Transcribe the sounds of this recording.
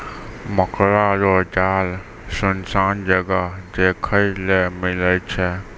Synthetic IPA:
məkʰɾaɾoːd͡ʒaːl | sʊnsaːnd͡ʒəɡəd͡ʒeːkʰəilemɪlət͡ʃʰɛ

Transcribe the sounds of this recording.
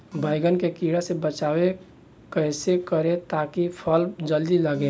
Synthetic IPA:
bəɪɡənkekiɽasebət͡ʃawe | kəɪsekəɾet̪akipʰəld͡ʒəld̪iləɡe

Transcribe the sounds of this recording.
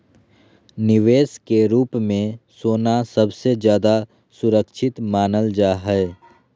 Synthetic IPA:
nɪʋeːskeɾuːpmẽsoːnasɐbsed͡ʒjaːd̪a | sʊɾəkʃʰɪt̪maːnəld͡ʒaːɦɛɛ

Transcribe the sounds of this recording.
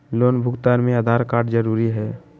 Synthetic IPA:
loːnbʱʊɡt̪aɾmẽad̪ʱaːɾkaːɾʈd͡ʒəɾuːɾiɦɛː

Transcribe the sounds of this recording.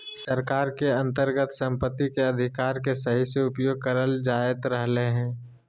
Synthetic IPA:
səɾkaːɾkeɐ̃nt̪əɾɡət̪sɐ̃mpət̪ːikeɐd̪ʱɪkaːɾkesɐɦiseʊpjoːɡ̚kəɾəld͡ʒaːjət̪ɾəɦleɦɛ̃ː

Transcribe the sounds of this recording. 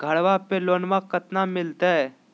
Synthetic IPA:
ɡʱəɽʋapeloːnʋãkət̪namɪlt̪ɛ

